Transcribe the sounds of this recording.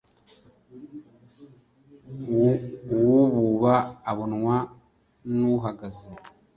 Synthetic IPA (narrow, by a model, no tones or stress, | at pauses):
uwuβuβaːβonŋwa | nuɦaɡazi